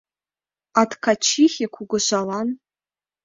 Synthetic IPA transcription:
atkʰat͡ʃʰiχʲekʷʰuɡʷʊʃʷalan

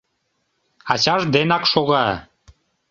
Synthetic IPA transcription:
ɑt͡ɕɑʒd̪enɑkʃoɣɑ

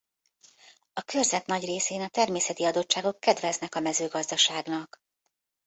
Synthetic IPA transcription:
ɒkørzɛt̪nɒɟreːseːnɒt̪ɛrmeːsɛt̪iɒd̪o̞t͡ʃt͡ʃːaːɡo̞kːɛd̪vɛznɛkɒmɛzøːɡɒzd̪ɒʃaːɡnɒk

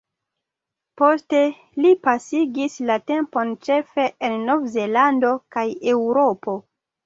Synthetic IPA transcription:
po̞ste̞ | lipasiɡislate̞mpo̞nt͡ʃe̞fe̞ʔenːo̞vze̞lando̞kaje̞wɾo̞po̞

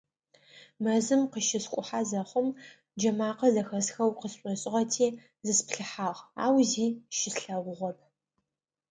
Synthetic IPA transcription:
mɐzɨmqəʃɪskʷʼʊħaːzɐχʷʊm | d͡ʒɐmaːqɐzɐxɐsxɐwqəsɕʷʼɔɕʼɪʁɐtʰeː | zɨspɬɨħaːʁa̰ːwziːʃɪsɬɐʁʷʊʁʷɔp̚ʰ

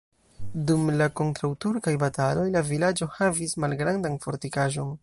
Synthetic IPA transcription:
dumlako̞ntɾawtuɾkajbatalo̞jlavilad͡ʒo̞havismalɡɾandanfo̞ɾtikaʒo̞n

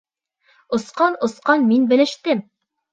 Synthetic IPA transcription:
ŏsqɑnŏsqɑnminbɘ̆lɘ̆ʃt̪ɘm

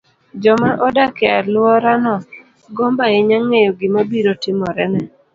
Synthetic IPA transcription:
d͡ʒɔmaʔɔdakɛalwɔɾanɔ | ɡɔmbaeɲaŋːejoɡɪmabiɾotɪmɔɾɛnɛ

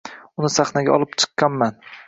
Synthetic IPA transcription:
ʊnɪsaχnaɡʲa̰ɒlˠɪpt͡ʃʰɨ̥qːɑnman

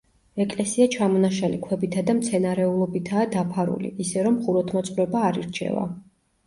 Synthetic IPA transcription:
ɛkʼlɛsiat͡ʃʰamɔnaʃalikʰwɛbit̪ʰad̪amt̪sʰɛnaɾɛulˠɔbit̪ʰaːd̪apʰaɾṵlḭʔːsɛɾɔmχuɾɔt̪ʰmɔt̪sʼɾɛbaːɾḭɾt͡ʃʰɛ̰va̰

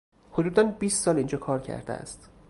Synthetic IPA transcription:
hod̪uːd̪ænbiːst̪sɒːliːnd͡ʒɒːkʰɒːɾcʰæ̰ɾd̪ḛæ̰st̪

